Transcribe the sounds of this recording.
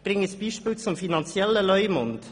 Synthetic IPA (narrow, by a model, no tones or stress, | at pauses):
b̥ɾɪŋəsb̥iːʃpiːlt͡sʊmfinɑnt͡sjɛləlœʏmʊnd